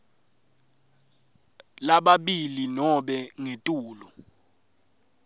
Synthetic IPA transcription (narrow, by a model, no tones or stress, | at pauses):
laɓaɓilinɔɓɛŋetʼuːlɔ